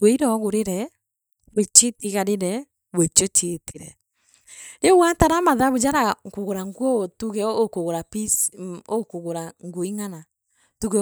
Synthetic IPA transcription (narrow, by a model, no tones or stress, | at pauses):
weiɾɔɣoɾeɾɛ | wet͡ʃetiɣaɾeɾɛ | wet͡ʃot͡ʃetʰiɾɛ̰ | ewataɾamaðaβud͡ʒaɾakoɣoɾaŋɡwɔtuɣɛkoɣoɾapisokoɣoɾaŋɡoiŋana | tuɣɛ